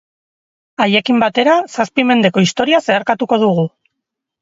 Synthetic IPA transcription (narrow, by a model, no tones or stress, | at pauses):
aje̞kimbat̪e̞ɾasaspime̞nd̪e̞ko̞ist̪o̞ɾiase̞aɾkat̪uko̞ðuɣ̞u